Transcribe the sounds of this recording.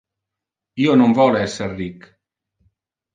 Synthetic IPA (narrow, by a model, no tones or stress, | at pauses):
ionombɔlɛserik